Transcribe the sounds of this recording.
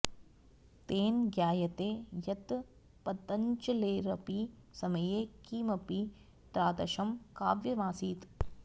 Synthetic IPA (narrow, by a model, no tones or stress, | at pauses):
t̪eːnɡjaːjɐt̪eːjɐt̪ | pɐt̪ɐɲt͡ʃɐleːɾɐpisɐmɐjeːkiːmɐpi | t̪ɾaːd̪ɐʃɐmkaːʋjɐʋaːsiːt̪